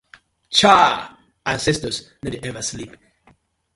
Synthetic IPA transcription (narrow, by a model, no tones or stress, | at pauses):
t͡ʃʰa | ʔəsɪstəznədɛvəsliˑp